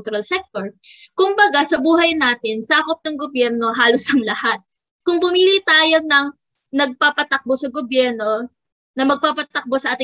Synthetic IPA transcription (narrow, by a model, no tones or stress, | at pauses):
t̪ʊɾalsɛk̚t̪o̞ɹkʊmbɐɡasɐbuːɦɐjnaːt̪ɪnsaːkop̚nɐŋɡobjɛɾno̞ɦaːlosɐŋlɐhat̪̚ | kʊŋpʊmiːlɪt̪aːjo̞nɐŋ | nɐɡ̚paːpɐt̪ɐk̚bo̞sɐɡobjɛɾno̞ | nɐmɐɡ̚paːpɐt̪ɐk̚bosɐʔaːt̪ɪ